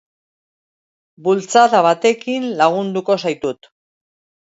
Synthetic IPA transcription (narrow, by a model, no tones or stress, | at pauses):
bult͡saðaβat̪e̞kinlaɣ̞und̪uko̞sajt̪ut̪